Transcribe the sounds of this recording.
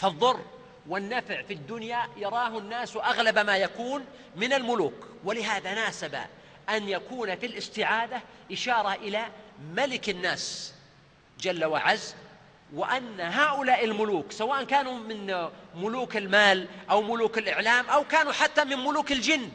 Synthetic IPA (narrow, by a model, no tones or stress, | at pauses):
fɑðˤːʊrˤː | wɪnːafʕfid̪ːʊnjajɑɾˤɑːɦʊnːaːswʔaɣlabmaːjakuːn | mɪnɪlmʊluːkwɪlɪɦaːðanaːsaba̰ | ʔanjakuːnafilʔɪst̪ɪʕaːd̪aʔɪʃɑːɾˤɑʔɪlamalɪkɪnːaːs | d͡ʒalːawa̰ʕaz | wɪʔanːaɦaːʔʊlaːʔɪlmʊluːksawaːʔankaːnumɪnmʊluːkɪlmaːlʔawmʊluːkɪlʔɪʕlaːmʔawkaːnuħat̪ːamɪnmʊluːkɪld͡ʒɪnː